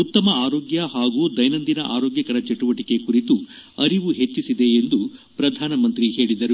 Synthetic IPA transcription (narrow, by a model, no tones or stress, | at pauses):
ut̪ːɐmɐaːɾoːɡjɐhaːɡuːd̪ɐjnɐnd̪inɐʔaːɾoːɡjɐkɐɾɐt͡ʃeʈuʋɐʈike̞kuɾit̪uɐɾiʋuɦe̞t͡ʃːisid̪e̞ːnd̪upɾɐd̪ʱaːnɐmɐnt̪ɾiɦe̞ːɭid̪ɐɾu